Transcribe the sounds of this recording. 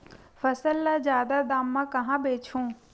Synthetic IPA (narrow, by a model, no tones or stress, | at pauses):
fɐsəlːazjaːd̪ad̪aːmːãkɐɦãbeːt͡ʃʰõː